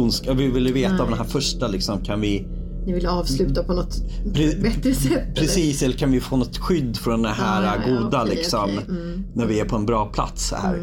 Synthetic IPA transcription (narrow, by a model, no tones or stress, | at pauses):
nskavɪvɪlːjəveːt̪aːvd̪ɛnɦæːɾfœʂʈalɪksɔmkʰanvɪ | nɪvɪlːɑːvslʉ̟ːt̪apʰɔnɔt̪pʰɾɛbɛt̪ːɾəsɛt̪ːpʰɾɛsiːsɛlːəɾkʰanvɪfoːnɔt̪ɧʏd̪ːfœnd̪ɛɦæːɾaɡuːd̪alɪksɔm | næɾvɪæɾpʰɔɛnbɾɑːpʰla̰t̪shæ̰ːɾ